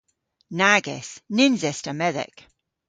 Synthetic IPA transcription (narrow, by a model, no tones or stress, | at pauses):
næɡɨ̰snɪ̃nzɛstəmɛðɪ̰k